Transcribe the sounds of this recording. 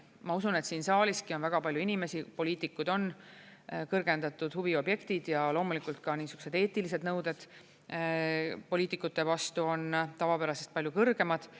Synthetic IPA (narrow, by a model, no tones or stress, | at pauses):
mɑusune̞t̪siːnsɑːlʲiskio̞nvæɡ̥ɑpɑlʲjuinime̞sipo̞lʲiːt̪ːˑikːˑud̪o̞n | kɤrɡ̥e̞nd̪ɑt̪ːˑud̪̥huvio̞bje̞kt̪id̪̥jɑlo̞ːmulikult̪̚kɑniːsukuse̞d̪̥e̞ːt̪ːˑilise̞d̪nɤwd̪̥e̞d̪̥ | po̞lʲiːt̪ːˑikːˑut̪ːe̞vɑst̪uo̞nt̪ɑvɑpeɾɑsest̪pɑljukɤrɡ̥e̞mɑd̪̥